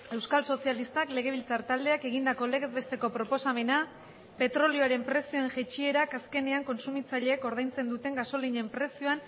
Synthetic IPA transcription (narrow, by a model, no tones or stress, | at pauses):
e̞wskalso̞sialist̪akle̞ɣ̞e̞β̞ilt͡saɾt̪ald̪e̞ake̞ɣ̞ind̪ako̞le̞ɣezβe̞st̪e̞ko̞pɾo̞po̞same̞na | pe̞t̪ɾo̞lioaɾe̞mpɾe̞sio̞eŋʝet͡ʃie̞ɾakaske̞ne̞aŋko̞nsumit͡saʎe̞ːko̞ɾð̞ajnt͡se̞nd̪ut̪e̞ŋɡaso̞liɲe̞mpɾe̞sioan